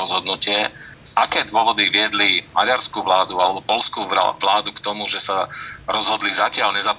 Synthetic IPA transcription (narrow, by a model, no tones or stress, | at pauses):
ɔzɦɔd̪nucɪɛʔakɛːd̪ʋʊɔʋɔd̪iʋɪɛd̪limaɟaɾskuːʋlaːd̪ualɛbɔpɔlskṵːʋlaːd̪ukt̪ɔmuʒɛsaɾɔzɦɔd̪lizacɪaʎɲɛzap